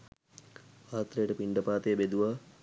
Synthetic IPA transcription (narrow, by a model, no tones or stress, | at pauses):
aːt̪ɾejəʈəpiɳɖəpaːt̪ejbed̪uʋa